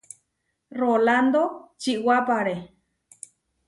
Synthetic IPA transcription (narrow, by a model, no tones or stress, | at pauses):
roland̪ot͡ʃiwapaɾe